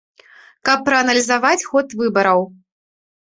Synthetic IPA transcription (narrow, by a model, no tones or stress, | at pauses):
kɐpːɾɐɐnɐlʲizavat͡sʲxɔt̪vɨbɐɾɐw